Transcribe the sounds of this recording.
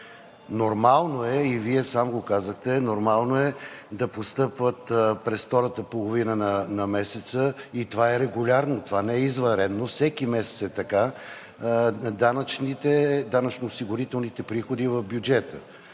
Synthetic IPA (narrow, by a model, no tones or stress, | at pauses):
noɾmalˠnoɛiviɛsamɡokazəxt̪ɛnoɾmalˠnoɛd̪ɐpost̪ɤpvət̪pɾɛsft̪ɔɾət̪əpolˠovinənɐnɐmɛsɛt̪səit̪ovaɛɾɛɡʊlʲaɾnot̪ovanɛɛizvɐɾɛnːofsɛkimɛsɛt̪sɛt̪ɐka | d̪anət͡ʃnit̪ɛd̪anət͡ʃnoːsiɡʊɾit̪ɛlˠnit̪ɛpɾixod̪ivɐvbjud͡ʒɛt̪ə